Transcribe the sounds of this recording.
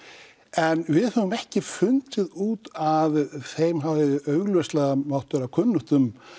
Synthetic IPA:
ɛnvɪðhœðʏmɛhcɪfʏnt̪ɪðuːt̪aðθejmɦavðɪœɥɣlvœst̪laɣamawht̪ʏɾawkʰʏnːʏht̪ʏm

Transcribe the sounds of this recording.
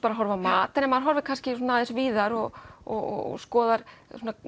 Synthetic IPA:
paɾaɦɔɾvamaːt̪ɪnɛmaðɾɦɔɾvɪ̥kʰanscɪsuːnaðɪsviːðaɾɔɣɔɣɔ̰ɣskɔːðaɾ̥suːna

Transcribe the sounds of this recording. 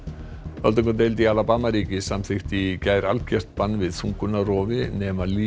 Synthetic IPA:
œ̰lt̪ɔŋkʏt̪ejlt̪̬ialapaːmaɾiːcɪsamθɪxt̪ɪcaːjɾalcɛr̥t̪̚panːvɪð̥θuŋkʏnarɔːvɪnɛːmaliː

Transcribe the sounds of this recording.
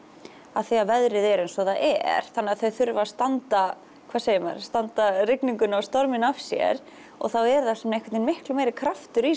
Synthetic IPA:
aðθiavɛðɾɪðɛɾɛnsɔθaðɛ̰ɾ̥θanːɪaðθœɥθʏɾvast̪ant̪a | kʰvaːseːjɪma̰ɾst̪ant̪aɾɪkniŋkʏnawst̪ɔɾmɪnav̥sjɛ̰ɾ | ɔ̰ɣθawɛɾðasɛmnaejkvɪt̪inmɪhklʏmeːjɾɪkʰɾaft̪ʏɾi

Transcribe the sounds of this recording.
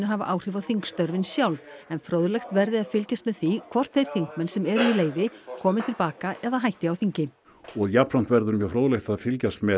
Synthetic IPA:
nʏɦavaʔaːwr̥ɪːvawθiŋkst̪œɾvɪnsjawlvɛnfɾoːwðlɛjxt̪vɛɾðɪaðfɪlcast̪mɛðθikʰvɔr̥t̪θejɾ̥θiŋkmɛnsɛmɛɾʏileːjvɪkʰɔːmɪnt̪ʰɪlpaːkaʔɛðaɦajht̪ɪawθiɲcɪ | ɔɣjapɾan̥t̪vɛɾðʏɾmjœfɾoːwðlejxt̪aðfɪlcast̪mɛ

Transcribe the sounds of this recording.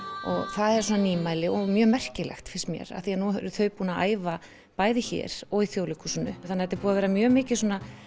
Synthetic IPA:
ɔ̰ɣθaðɛɾsɔːnaniːmajlɪʔɔɣmjœːmɛr̥cɪlɛ̰xt̪fɪɾ̥st̪mjɛ̰ɾa̰θianuɾʏθœɥpuːnaa̰ːjva | paːjðɪçɛ̰ːɾ̥ɔɣiθjowlikʏsʏnːʏθanːhɛt̪ːɪ̥ɾpuːaðvɛɾamjœːmɪːcɪ̥sɔːna

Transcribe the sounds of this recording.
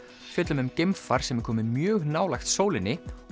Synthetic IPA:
fjœt̪lʏmʏmcemfaɾ̥sɛmɛɾkʰɔːmɪmjœːɣnaːwlajxt̪soːwlɪnɪ

